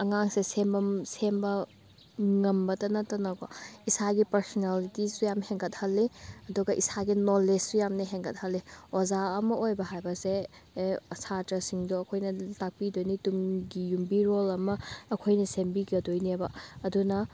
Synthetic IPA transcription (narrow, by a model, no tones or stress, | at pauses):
ɐŋaŋsesembɐmsembɐ | ŋɐmbɐtɐnɐtɐnɐɡɔisaɡipɐɾsɔnalitisujamheŋɡɐt̚hɐlːiɐduɡɐʔisaɡinoled͡ʒsujamnɐɦeŋɡɐt̚hɐlːiozaɐmɐʔojbɐɦajbɐseː | sʰatɾɐsiŋduɐkʰojnɐtak̚pidojnitumɡijumbiɾolɐmɐːkʰojnɐsembiɡɐdojniebɐɐdunɐ